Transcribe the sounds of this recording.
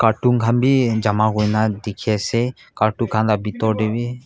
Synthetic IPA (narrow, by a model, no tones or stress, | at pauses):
kaɾʈuŋkʰanbid͡ʒamaɡujnad̪ikʰɛsɛ | kaɾʈukʰanlabit̪ɔɾɖebi